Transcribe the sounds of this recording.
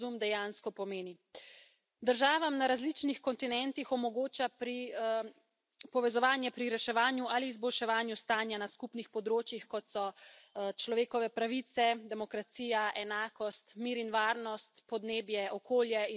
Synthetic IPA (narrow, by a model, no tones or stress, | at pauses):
umd̪ɛjanskɔpɔmeːni | d̪əɾʒaːʋamnaɾazlit͡ʃnixkɔnt̪inɛnt̪ixɔmɔɡoːt͡ʃapɾi | pɔʋɛzɔʋaːnjɛpɾiɾɛʃɛʋaːnjuʔaliːzbɔlʃɛʋaːnjust̪aːnjanaskupnixpɔd̪ɾoːt͡ʃjixkɔt̪sɔt͡ʃlɔʋeːkɔʋɛpɾaʋit̪sɛd̪ɛmɔkɾat̪siːjaʔɛnaːkɔst̪miːɾinʋaːɾnɔst̪pɔd̪neːbjɛʔɔkoːljɛi